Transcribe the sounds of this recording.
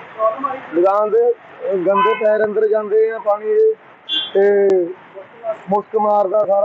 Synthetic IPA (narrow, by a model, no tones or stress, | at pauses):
lɪɡãːd̪eː | ɡə̃nd̪eːpɛːɾə̃nd̪əɾd͡ʒãːnd̪eːãːpaːɽ̃iːeː | t̪eː | mʊskmaːɾd̪aːsaːɾ